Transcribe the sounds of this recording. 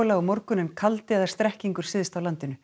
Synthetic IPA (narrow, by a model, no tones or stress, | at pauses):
laɔmɔɾkʏnɪnkʰalt̪ɪɛðaɾ̥st̪ɾɛhciŋkʏɾ̥sɪðst̪awlant̪ɪnʏ